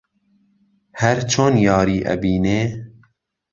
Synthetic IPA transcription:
hɛɾt͡ʃʰoːnjɑːɾiːʔɛ̰biːneː

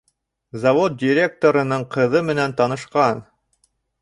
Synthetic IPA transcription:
zɐvot̪̚dʲiɾʲe̞k̚t̪oɾɤ̆nɤɴqʰɤ̆ðɤmɘ̆nænt̪ɑnɤ̆ʃqɑn

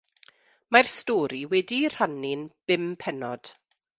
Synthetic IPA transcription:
marstɔːɾiwɛdir̥anɪnb̥ɪmpʰɛnɔd̥

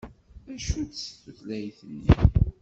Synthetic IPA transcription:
æʃud̪sə̥θəθlæjθənːḭ

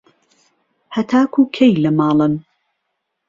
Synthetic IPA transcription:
hɐt̪ʰaːkʰuːkʰejlɐmɑːlˠɨn

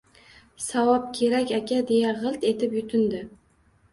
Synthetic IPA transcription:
sawɒp̚kʲʰe̞ɾakʲakʲʰad̪e̞jaʁɨlˠt̪e̞t̪ɪpjʊt̪ʰɪnd̪ɪ

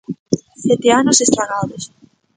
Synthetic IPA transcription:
θɛt̪eanʊsest̪ɾaŋaðos

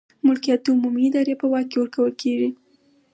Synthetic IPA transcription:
mʊlkijat̪ʊmumiɪd̪ɑɾepəwɑk̚kːewəɾkawəlkeʐi

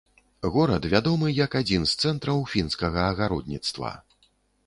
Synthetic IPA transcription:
ɣɔɾɐt̪vʲad̪ɔmɨjɐkad͡zʲinst̪sɛnt̪ɾɐwfʲinskɐɣɐːɣaɾɔd̪ʲnʲit̪st̪vɐ̰

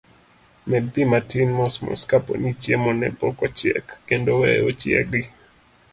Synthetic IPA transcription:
mɛd̚pimatɪnmɔsmɔ̰skapo̰nit͡ʃjemɔnɛ̰pɔkɔt͡ʃjɛ̰kːendowɛot͡ʃɪɛ̰k̚di

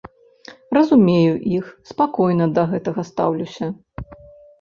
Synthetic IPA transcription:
rɐzumʲejuʔixspakɔjnɐd̪ɐɣɛt̪ɐɣɐst̪a̰wlʲusʲɐ

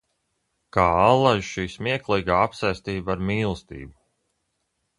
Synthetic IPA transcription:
kaːalˠaʒʃiːsmʲiɛklˠijɡaːapsajst̪iːbaaɾmiːlˠst̪ḭːbu

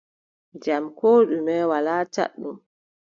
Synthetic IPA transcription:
d͡ʒamkɔːɗumɛwalaːta̰ɗːum

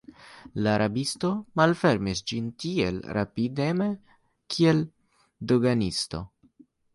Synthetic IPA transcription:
laːɾʔabisto̞malfe̞ɾmisd͡ʒintiḛlɾa̰pideme | kʰiel | doɡanisto̞̰

